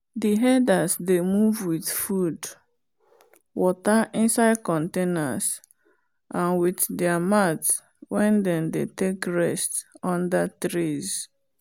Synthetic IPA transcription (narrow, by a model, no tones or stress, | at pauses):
diɦɛdasdemuvwiθfud | wɔtaʔɪ̃nsaɪd̚kɔ̃ntena̰s | ʔãnwiθdɛamat | wɛ̃ndɛ̃ndetekɹɛstɔ̃ndatɹiz